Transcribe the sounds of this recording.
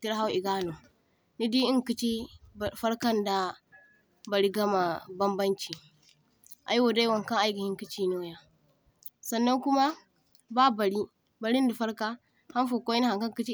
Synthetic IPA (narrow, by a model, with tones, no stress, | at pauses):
ti˦ɾɦa˦wi˨ɡaː˦no˨ | ni˦di˦i˦ŋki˦t͡ʃi˦˨fɐ˦ɾkɐ˦nda˨ | bɐ˨ɾi˦ɡɐ˦ma˨bɐ˦mbɐ˦nt͡ʃi˨ | ʔa̰˨˦jwo˨da˦wɐ˨ŋka˦ʔa˦ɡi˨hi˦ŋki˦t͡ʃi˦noː˦ja˦ | sɐ˨nːa˦ŋku˦ma˦ | ba˦ba˨ɽi˦ | ba˨ɾi˦n˦du˨fɐ˦ɾka˦ | ha˦n˦fo˨ko˦i˦n˦ha˨ŋka˦ŋki˦t͡ʃi˦